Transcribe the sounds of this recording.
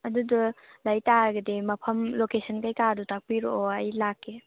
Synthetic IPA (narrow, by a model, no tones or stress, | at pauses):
ɐdudɔlajtaɡɐdemɐpʰɐmlokesʰənkajkadutak̚piɾoʔoɐjlakːe